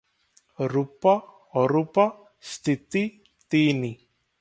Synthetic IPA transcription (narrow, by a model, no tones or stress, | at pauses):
ɾupa | ɔɾupa | st̪it̪i | t̪ini